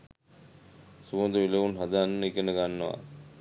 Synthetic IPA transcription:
subond̪uʋileʋunɦad̪aːnːəikenəɡanːəʋa̰

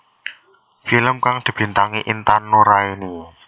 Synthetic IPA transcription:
filəmkaŋd̪̥i̤b̥i̤nt̪aŋiʔint̪anːoɾainu

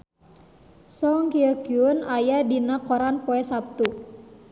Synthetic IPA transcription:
sɔŋkiəkiunajadinakɔɾanpoɛsap̚t̪u

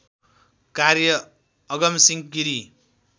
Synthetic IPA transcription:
kaɾjʌː | ɡʌmsiŋkiɾi

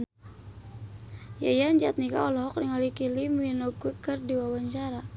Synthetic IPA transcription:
ja̰jaɲd͡ʒat̪̚nika̰ɔlɔɦɔkniŋalikiliminɔɡikərdiwawaɲt͡ʃaɾa

